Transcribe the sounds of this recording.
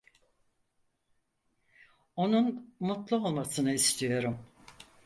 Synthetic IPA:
o̞nunmut̪lˠuo̞lˠmasɯnɯist̪ʰijo̞ɾum

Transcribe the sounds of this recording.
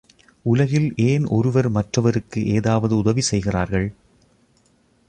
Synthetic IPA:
ʊlɐɣɪlʔeːnʔɔ̰ɾɯʋɐɾmɐʈrɐʋɐɾɯkːɯʔeːðaːʋɐðɯʊðɐʋisɛjɣɪraːɾɣɐɭ

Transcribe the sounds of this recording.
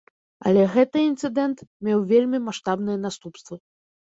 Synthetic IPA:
ɐ̰lʲɛɣɛt̪ɨint̪sɨd̪ɛnt̪mʲewvʲelʲmʲimaʂt̪abnɨjɐn̪ast̪upst̪vɐ

